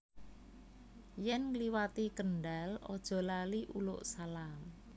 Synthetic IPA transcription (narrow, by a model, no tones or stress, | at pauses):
jɛnŋliwat̪ikəɳɖalɔ̰d̥ʒ̥ɔ̤laliʔulʊ̰ʔsalal